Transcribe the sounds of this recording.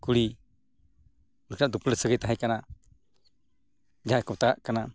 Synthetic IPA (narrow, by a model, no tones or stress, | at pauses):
kuɽi | unknaʔd̪upləsəɡəjt̪aɦɛ̃kana | d͡ʒajkɔt̪aaʔkana